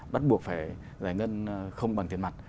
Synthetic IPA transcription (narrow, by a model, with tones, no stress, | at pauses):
ɓa˦˥t̚ɓu˨˩ək̚faː˧˩j | zaː˧˩jŋə˧nxə˧wŋ͡mɓa˨˩ŋt̪ʰi˧˩nma˨˩t̚